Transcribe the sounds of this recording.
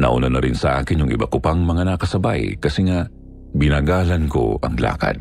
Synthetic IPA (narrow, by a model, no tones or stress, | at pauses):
nɐ̰ʔʊnanɐɾɪnsɐʔaːkɪnjʊŋʔɪ̰bakopɐŋmɐŋanɐkɐsɐbajkɐsɛŋaʔ | bɪnaːɡaːlɐnko̞̰ʔɐ̰ŋla̰ːkɐ̰d̪̚